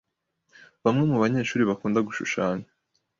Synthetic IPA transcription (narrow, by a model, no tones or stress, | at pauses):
βamŋe̞muβaɲe̞ːʃuːɾiβakuːndaɡuʃṵʃaːɲe